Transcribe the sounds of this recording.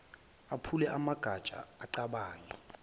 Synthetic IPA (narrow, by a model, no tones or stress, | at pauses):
apʰulɛʔamaɡ̥ʱad̥t͡ʃʼa̰ːǀaɓaːjɔ